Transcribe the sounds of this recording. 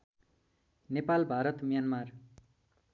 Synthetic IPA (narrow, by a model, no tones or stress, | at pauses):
nepalbʱaɾʌt̪mjanmar